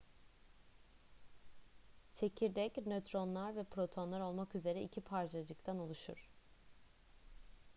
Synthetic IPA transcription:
t͡ʃʰe̞cʰiɾd̪ɛcnøt̪ʰɾo̞nlˠaɾvɛpʰɾo̞t̪ʰo̞nlˠaɾo̞lˠmakyze̞ɾɛicʰipʰaɾt͡ʃʰad͡ʒɯk̚t̪ʰanolˠuʃṵɾ̝̥

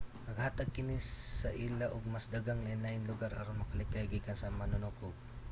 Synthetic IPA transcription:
nɐɡhaːt̪ɐɡ̚kɪnisɐʔilaʔʊɡ̚mɐsd̪aɡaŋlɐnlajɪnlʊɡaɾa̰ɾomɐkɐlɪkajɡiːkɐnsɐmɐnʊnukʊb̚

